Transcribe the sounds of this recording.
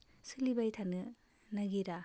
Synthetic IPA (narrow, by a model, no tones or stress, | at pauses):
silibajtʰanɯ | nɐɡiɾa